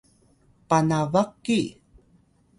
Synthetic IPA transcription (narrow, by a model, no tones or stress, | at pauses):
panavakːi